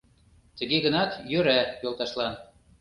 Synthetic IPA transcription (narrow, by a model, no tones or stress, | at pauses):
t̪ə̆ɣeɣə̆nɑt̪jøɾæjolt̪ɑʃlɑn